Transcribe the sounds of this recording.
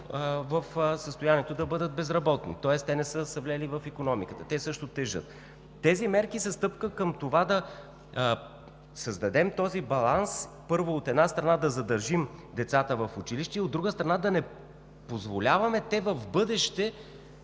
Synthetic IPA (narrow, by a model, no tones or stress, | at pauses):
vəfsəst̪ʊjaniɛt̪od̪ɐbɤd̪ət̪̚bɛzɾɐbɔt̪nḭt̪ɔɛst̪ɛnɛsɤsɐvlʲɛlivəfikonɔmikət̪ət̪ɛsɤʃt̪ot̪ɛʒɤ̰t̪̚ː | ɛzimɛɾkisɛst̪ɤpkəkəmt̪ovad̪ɐ | səzd̪ɐd̪ɛmt̪ɔzibɐlˠans | pɤɾvoːt̪ɛd̪nast̪ɾɐnad̪ɐzɐd̪ɐɾʒimd̪ɛt̪sat̪əvɐfʊt͡ʃiliʃt̪ɛiod̪ɾuɡəst̪ɾɐnad̪ɐnɛ | pozvolʲavɐmɛt̪ɛvɐvbɤd̪ɛʃt̪ɛ